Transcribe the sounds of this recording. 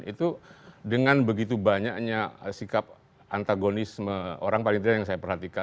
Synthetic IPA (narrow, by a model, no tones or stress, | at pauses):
ḭt̪udəŋanbəɡit̪ubaɲakɲasikap̚ | ʔant̪aɡonɪsməoɾaŋpalɪŋt̪idajaŋsajapərɦat̪ika